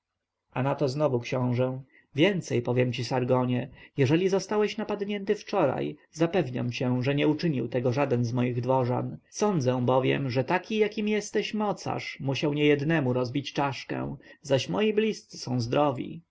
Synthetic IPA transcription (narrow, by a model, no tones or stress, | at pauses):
ʔanat̪ɔznɔvukɕɔ̃w̃ʐɛ | vʲjɛnt̪sɛjpɔvʲjɛmt͡ɕisaɾɡɔɲɛjɛʐɛlʲizɔst̪awɛɕnapad̪ɲɛnt̪ɘft͡ʂɔɾa̰jzapɛvɲa̰mt͡ɕɛʐɛɲɛut͡ʂɘɲḭwt̪ɛɡɔʐad̪ɛnzmɔjiɣd̪vɔʐa̰nsɔnd̪zɛ̃w̃bɔvʲjɛ̰mʐɛt̪akʲijakʲimjɛst̪ɛɕmɔt̪sa̰ʂmuɕawɲɛjɛd̪nɛmuɾɔzbʲit͡ɕt͡ʂaʂkɛ̰̃w̃zaɕmɔjiblʲist̪sɘ̥sɔ̃w̃zd̪ɾɔvʲḭ